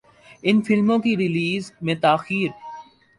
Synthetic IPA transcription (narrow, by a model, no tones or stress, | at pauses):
ɪnfɪlmõkiɾɪliːzmẽt̪aːxiːɾ